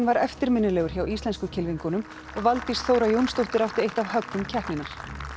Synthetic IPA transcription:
nvaɾɛft̪ɪɾmɪnːʏlɛɣʏɾ̥çawist̪ɛnskʏcʰɪlviŋkʏnʏm | ɔɣvalt̪isθoːwɾajownst̪oht̪ɪɾaft̪ɪɾejht̪avɦœk̪ːʏmcʰɛhnɪnaɾ̥

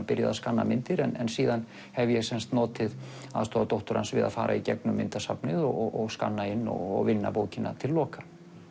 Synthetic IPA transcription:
pɪɾja̰ðaskanːa̰mɪnt̪ɪɾɛnɛnsiːðan | hɛvjɛɣsɛnst̪nɔːt̪ɪð | aðst̪ɔːat̪owht̪ʊɾansvɪða̰ðfa̰ːɾʔa̰icɛknʏmːɪnt̪asapnɪðɔɔɔɣska̰nːaɪnːɔ̰ɣɔɣvɪnːa̰poːwcɪnːa̰t̪ʰɪllɔːkḁ

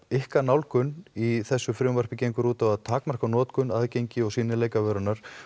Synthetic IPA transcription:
ɪhkanawlkʏniθɛsːʏfɾʏwmvar̥pɪcejŋkʏɾuːt̪avaðt̪ʰaːkmar̥kanɔːt̪kʏnaðcejɲcɪɔɣsiːnɪleːjkavœːɾʏnaɾ̥

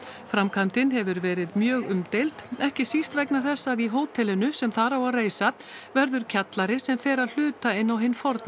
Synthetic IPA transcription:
fɾamkʰamt̪ɪnɦɛvʏɾvɛːɾɪðmjœːɣʏmt̪ejlt̪ɛhcɪsist̪vɛjknaθɛsːaðiɦoːwt̪ʰɛlɪnʏsɛmθaɾawaðreːjsa | vɛɾðʏɾ̥cʰat̪laɾɪsɛmfɛːɾaðl̥ʏːt̪aɪnːawɦɪnːfɔɾt̪n

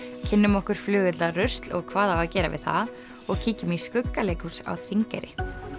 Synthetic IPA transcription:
cʰɪnːʏmɔhkʏɾ̥flʏːɣʏt̪larœst̪lɔ̰ɣkʰvaːðawacɛːɾa̰vɪ̰ðθa̰ð | ɔɣcʰiːcʏmiskʏkːaleːjkusa̰wθʰviŋkɛ̰ɾɪ

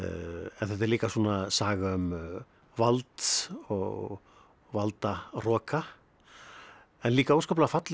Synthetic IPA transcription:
ɛnθɛt̪ɛɾliːkasuːnasaːɣaʏm | valt̪ɔ̰ɣ | valt̪arɔːka | ɛnliːkaowskɔplaɣfat̪l

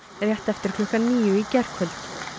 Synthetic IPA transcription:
ɛrjɛht̪ɛft̪ɪɾ̥kʰlɔhkaniːʏicɛr̥kfʏlt̪

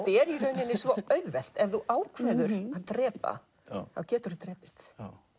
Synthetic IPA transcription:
t̪ɪɛɾirœːɥnɪnːɪsvɔœɥðvɛl̥t̪ɛvðuʔaːwkʰv̥ɛːðʏɾaðt̪ɾɛːpa̰ | θawcɛːt̪ʏɾt̪ɾɛːpɪ̥θ

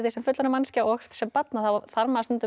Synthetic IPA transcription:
ðisɛmfʏt̪lʏnamanscaɔxt̪sɛmpat̪naθawθaɾmaast̪ʏnt̪ʏ

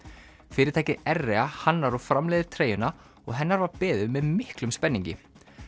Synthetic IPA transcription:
fɪːɾɪɾt̪aːjcɪɛrːɛahanːaɾɔfɾamlɛːðɪɾ̥t̪ʰɾeːjʏna | ɔ̰ɣɦɛnːaɾvapɛːðʏmɛðmɪhklʏmspɛnːiɲcɪ̰

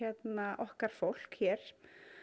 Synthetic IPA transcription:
ɛt̪naʔɔhkaɾ̥fowl̥kçɛːɾ̥

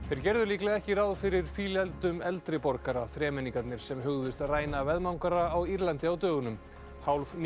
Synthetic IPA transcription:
θejɾ̥cɛɾðʏɾliːklɛðɛhcɪɾaːwðfɪɾɪɾ̥fiːlɛlt̪ʏmɛlt̪ɾɪpɔɾkaɾaθɾɛːmɛniŋkat̪nɪɾ̥sɛmɦʏɣðʏst̪aðraːjnavɛðmawŋkaɾaːwiɾlant̪ɪawt̪œːɣʏnʏm | hawlvn

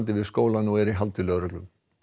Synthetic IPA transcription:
nt̪ɪvɪðskoːwlanuɛɾiɦalt̪ɪlœɣɾœklʏm

